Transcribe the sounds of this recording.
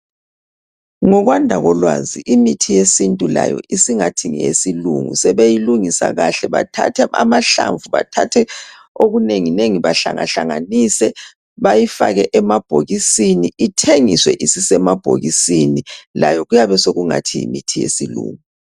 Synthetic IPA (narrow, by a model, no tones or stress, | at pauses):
ŋɔɣwandʱaɣɔlwaziʔimitʰijesintʼulajɔ̰ʔisiŋatʰiŋɛesilṵŋṵsɛβejiluŋisaɣaɬɛβatʰa̰tʰɛa̰maɬa̰ɱvuβatʰatʰɛ | oɣuneŋineŋiβaɬaŋaɬaŋanisɛ | βajifaɣɛʔɛmab̥ʱoɣisiniitʰeŋiswɛʔisisɛmab̥ʱoɣisinilajɔɣujaβɛsoɣuŋatʰijḭmitʰijḛsilṵːŋu